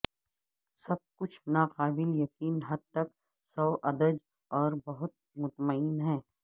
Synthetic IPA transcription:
sɐb̚kʊt͡ʃʰnaːqaːbɪljɐqiːnɦɐd̪̚t̪ɐk | sɔːʔɐd̪əd͡ʒ | ɔːɾbɐɦʊt̪̚mʊt̪məɪnɦɛ̃ː

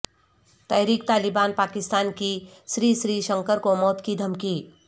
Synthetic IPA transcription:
t̪əːjɾik̚t̪aːlɪbaːnpaːkɪst̪aːnki | sɾiːsɾiːʃə̃ŋkəɾkomɔːt̪kid̪ʱɐmki

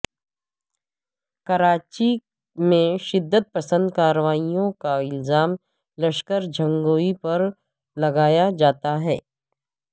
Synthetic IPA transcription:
kɐɾaːt͡ʃi | mẽʃɪd̪ːət̪̚pɐsə̃nd̪̚kaːɾəʋaːijõkaɪlzaːm | lɐʃkəɾd͡ʒʱɐ̃ŋɡoːipɐɾ | lɐɡaːjad͡ʒaːt̪aɦɛː

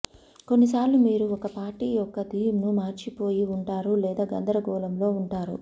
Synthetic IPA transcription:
ko̞nːis̬aːɾlumiːɾuɔkɐpaːɾʈiːjɔkːɐd̪iːjumnumaːɾt͡ʃipo̞ːjiuɳʈaːɾulɛːd̪aːɡɐnd̪ɐɾɐɡɔːlɐmlo̞ːuɳʈaːɾṵ

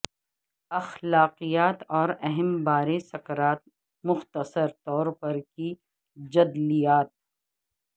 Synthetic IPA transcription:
ɐxlaːqijaːt̪ɔːɾɛɦɛmbaːɾesɐkɾaːt̪̚ | mʊxt̪əsəɾt̪ɔːɾpɐɾki | d͡ʒɐd̪lijaːt̪̚

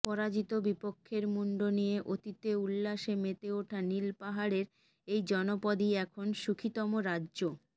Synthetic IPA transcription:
pɔɾad͡ʑit̪obipokʰːeɾmuɳɖonijeʔot̪it̪eulːaʃemet̪eoʈʰanilpaɦaɾeɾ | ejd͡ʑɔnopod̪iɛkʰonʃukʰit̪ɔmoɾadːʑo

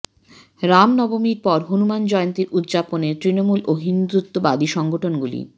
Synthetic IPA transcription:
ɾamnɔbomiɾpɔɾɦunumand͡ʑɔeont̪iɾutd̪d͡ʑaponet̪ɾinomuloɦind̪ɾut̪ːobad̪iʃɔŋɡoʈʰonɡulḭ

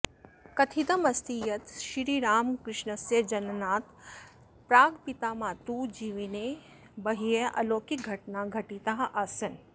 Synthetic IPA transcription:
kɐt̪ʰid̪ɐmɐst̪ijɐt̪ʃiɾiɾaːmkɾɪʃnəsjɐd͡ʒɐnnaːt̪ | pɾaːɡpit̪aːmãt̪ud͡ʒiʋine | bɐɦijeʔɐloːkiɡʱɐʈnaɡʱɐʈit̪aɦʔasɐn

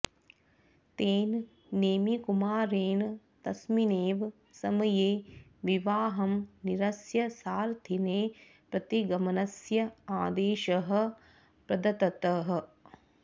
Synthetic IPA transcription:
t̪eːn | neːmikumaːɾeːn | t̪ɐsmineːʋ | sɐmɐjeːʋiʋaːɦɐmniɾɐsjɐsaːɾt̪ʰineː | pɾɐt̪iɡɐmɐnɐsjɐaːd̪eːʃɐɦɐ̆ | pɾɐd̪ɐt̪ɐt̪ɐɦɐ̆

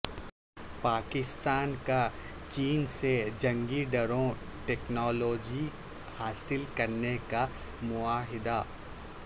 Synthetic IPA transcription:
paːkɪst̪aːnka | t͡ʃiːnsed͡ʒɐ̃ŋɡiɖɐɾõ | ʈɛːknɔːloːd͡ʒi | haːsɪlkɐɾneka | mʊaːɦɪd̪a

